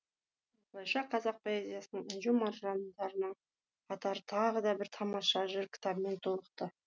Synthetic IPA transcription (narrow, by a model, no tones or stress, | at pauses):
woslˠɑjʃɑqʰɑzɑq̚pʰoezʲijasənəɴinʒʊmɑɾʒɑnd̪ɑɾənəɴ | qʰɑt̪ɑɾət̪ʰɑʁəd̪ɑbɪɾt̪ʰɑmɑʃɑʒʏɾkʲʰɪ̥t̪ʰɑbəme̞nt̪ʰo̞lˠəq̚t̪ə